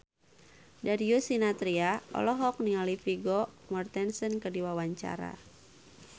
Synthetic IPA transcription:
dadiusinat̪ɾiaɔ̰lɔɦɔk̚niŋalifiɡɔmɔrt̪ɛnsənkədiwawaɲt͡ʃa̰ɾa̰

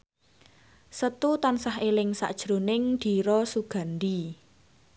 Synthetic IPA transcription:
sət̪ut̪ansaɦelɪŋsa̰ʔd̥ʒ̥ɾo̤nɪŋd̪̥i̤ɾɔsuɡ̥a̤nd̪i

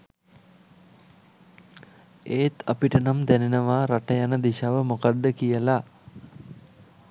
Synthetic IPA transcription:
eːt̪ʰapiʈənamd̪ænenəʋaːɾaʈəjanəd̪iʃaʋəmokad̪ːəkijəla

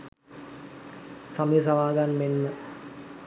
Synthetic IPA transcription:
samjs̬aʋaːɡanmenːə

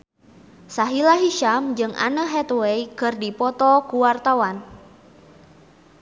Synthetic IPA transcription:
saɦilaɦiʃamd͡ʒɨŋʔa̰nəɦɛt̪wɛikɨrdipɔt̪ɔkuwart̪awan

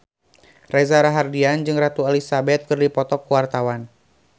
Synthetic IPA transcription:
rɛzaɾaɦardiand͡ʒɨŋrat̪ualisabɛt̪̚kɨrdipɔt̪ɔkːuwart̪awan

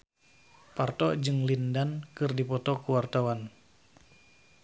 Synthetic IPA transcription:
part̪ɔd͡ʒɨŋlindankɨrdipɔt̪ɔkuwart̪awan

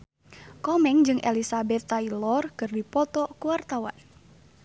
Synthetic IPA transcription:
kɔmɛŋd͡ʒɨŋʔḛlisabɛt̪ːailɔrkɨrdipɔt̪ɔkuwart̪awa̰n

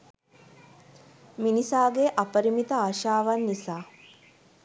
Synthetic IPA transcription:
minisaːɡeʔapəɾimit̪əaːʃaːʋanːisaː

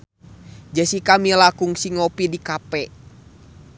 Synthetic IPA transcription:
d͡ʒəsikamilakuŋsiŋɔpidikapɛ

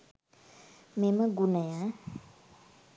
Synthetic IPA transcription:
meməɡunəja

